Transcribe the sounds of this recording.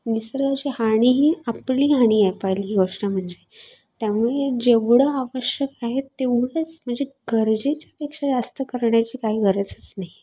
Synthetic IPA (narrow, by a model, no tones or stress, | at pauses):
misəɾɡat͡ɕiɦaɽ̃iɦiːapliːɦaɽ̃iːajpajliːɦiɡoʂʈam̤əɳd͡ze | t̪jamuɭed͡ʑeʋɽəaʋəɕjəkaɦet̪ːeʋɽet͡sm̤əɳd͡zeɡʱəɾd͡ʑet͡ɕjapekʂad͡zast̪əkəɾɳjat͡ɕiːkaɦiːɡʱəɾət͡sə̥t͡snaɦi